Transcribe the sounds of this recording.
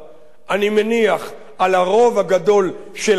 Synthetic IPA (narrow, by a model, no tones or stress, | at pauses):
ʔanimeniaχ | alaʁo̞vhaɡad̪o̞l | ʃel